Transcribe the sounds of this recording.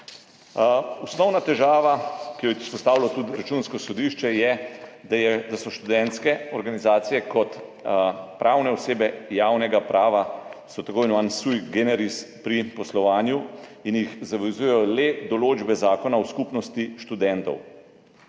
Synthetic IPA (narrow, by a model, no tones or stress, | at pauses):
usnɔwnat̪ɛʒaːʋakijɔi̥spɔst̪aːwlat̪ut̪ɾat͡ʃunskɔsɔd̪iʃt͡ʃɛjɛd̪ajɛd̪asɔʃt̪ud̪ɛnt̪skɛɔɾɡanizaːt̪sijɛkɔt̪ | pɾʔaːwnɛɔseːbɛjaːwnɛɡapɾʔaːʋasɔt̪akojnʋansujɡɛnɛɾispɾipɔslɔʋaːnjuinjixzaʋɛzuːjɛjɔlɛd̪ɔloːd͡ʒbɛzaːkɔnawskupnɔst̪iʃt̪ud̪ɛnt̪ɔ̰w